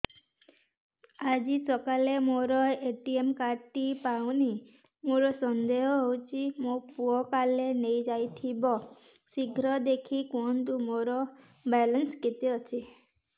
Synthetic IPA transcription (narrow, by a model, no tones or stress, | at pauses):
ad͡ʒisɔkalemoɾɔeʈiemkaɾʈipawni | moɾɔsɔnd̪eɦɔɦowt͡ʃʰimopuɔkalenejd͡ʒajt̪ʰibɔ | siɡʱɾɔd̪ekʰikunt̪umoɾɔ | bɛlɔnsket̪iɔt͡ʃʰi